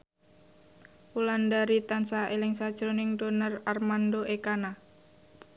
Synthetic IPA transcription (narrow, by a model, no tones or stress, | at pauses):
ulandaɾit̪ansaelɪŋsḁd͡ʒɾonɪŋdonərarmandoʔekana